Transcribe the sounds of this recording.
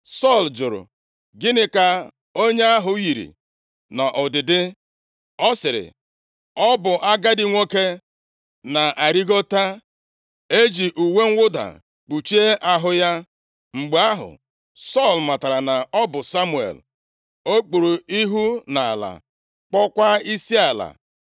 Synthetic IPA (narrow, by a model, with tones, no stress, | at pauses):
sɔ˦˨ld͡ʒʊ˨ɾʊ̰˨ | ɡɪ˦nɪ˦ka˦ | o˦ɲe˦a˦ɦʊ˨ji˨ɾḭ˨ | na˨ʔʊ˨dɪ˨dɪ˦ | ɔ˦sɪ˨ɾɪ̰˨ | ɔ˦bʊ˨ʔa˦ɡa˦dɪ˨ŋʷo˦ke˦ | na˨ʔa˨ɾi˦ɡo˦ta˦ | e˦d͡ʒi˨ʔu˨we˦ŋ̩˦ʊ˦da̰˨ | k͡pu˨t͡ʃi˦e˦ʔa˦ɦʊ˦ja˦ | ŋ͡m̩˨ɡ͡ba˦ɦʊ̰˨ | sɔ˦˨lma˨ta˨ɾa˨na˨ɔ˦bʊ˨sa˦mu˨ḛ˨l | o˦k͡pu˨ɾo˨i˦ɦu˦na˨a˨la̰˨ | k͡pɔ˦kʷa˦i˦si˦a˨la̰˨